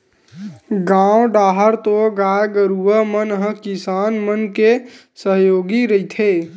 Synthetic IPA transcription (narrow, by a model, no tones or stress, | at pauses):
ɡãwoɖaɦəɾt̪oɡajɡəɾuəmənɦə̃kisaːnmənkesəɦjoːɡiɾəit̪ʰe